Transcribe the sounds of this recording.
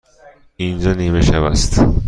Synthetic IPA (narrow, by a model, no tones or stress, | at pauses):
ind͡ʒɒːniːmeʃævæ̰st̪